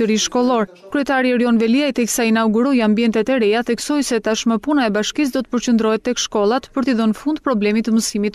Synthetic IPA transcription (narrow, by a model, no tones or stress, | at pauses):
əɾiʃkɔlˠɔɾ | kɾyɛt̪aɾiɛɾɔnvɛliajt̪ɛksainawɡuɾɔjambiɛnt̪ɛt̪ɛɾɛaθɛksɔjsɛt̪aʃməpunaɛbaʃkis̬d̪ɔt̪ə̥pəɾt͡ɕənd̪ɾɔɦɛt̪ːɛkʃkɔlˠat̪pəɾt̪iðɔnfund̪̚pɾɔblɛmit̪əməsimit̪